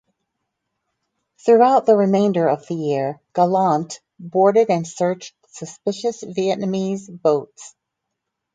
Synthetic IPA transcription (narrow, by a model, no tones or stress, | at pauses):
θɹuaʊt̪̚ðəɹɨmẽɪ̃ndə˞ʌvðɨjɪɹɡ̥əlɑ̃nt | bɔɹɾɨɾɨ̃nsɜ˞t͡ʃt | sɨspɪʃɨsviɛʔnɨmizboʊts